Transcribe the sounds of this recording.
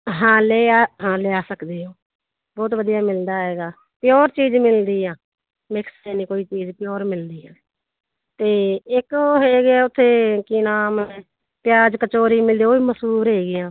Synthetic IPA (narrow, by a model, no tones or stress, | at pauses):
ɦãːleːaːɦãːleːaːsəkd̪eːɦõː | bɔːt̪ʋəd̪ijaːmɪld̪aːɦeːɡaː | pɪjoːɾt͡ʃiːd͡ʒmɪld̪iːãː | mɪkʰsɛːnĩːkoːiːt͡ʃiːd͡ʒpjoːɾmɪld̪iːɛː | t̪eːɪkoɦeːɡɪaːʊt̪ʰːeːkiːnaːmneː | pɪjaːd͡ʒkət͡ʃoːɾiːmɪld̪iːoːiːməsuːɾɦeːɡɪjãː